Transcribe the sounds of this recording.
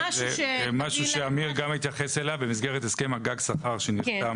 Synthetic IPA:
eemaʃuʃeamiʁɡamhit̪jaχeselavbemis̬ɡeʁet̪eskemaɡaɡsaχaʁʃeniχt̪am

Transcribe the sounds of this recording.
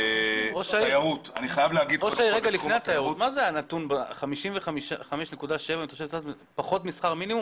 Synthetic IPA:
oʃaiajaʁut̪a̰niχajavleaɡid̪̚oʃajiʁeɡalifeat̪ajaʁut̪mazeanat̪unbaχamiʃimveχamiʃaχameʃnekudaʃe̞vantiχoʃevkt͡sat̪m | paχo̞t̪misχaʁminimum

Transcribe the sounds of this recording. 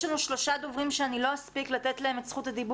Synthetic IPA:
anuʃlo̞ʃad̪o̞vʁimʃeanilo̞aspiklat̪etlae̞met͡sχutad̪ibu

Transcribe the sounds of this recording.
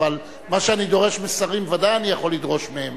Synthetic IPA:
al | maʃeanid̪o̞ʁe̞ʃmesaʁimvadajanijaχo̞lːid̪ʁo̞ʃmeem

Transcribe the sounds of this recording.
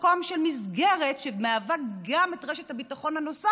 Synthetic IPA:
koamʃelmizɡeʁetʃebmeavaɡametʁeʃethabitaχo̞nhano̞sa

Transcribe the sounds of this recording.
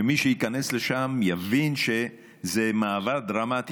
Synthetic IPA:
emiʃejikane̞sle̞ʃamjavinʃe | zemaːvad̪ʁamat̪i

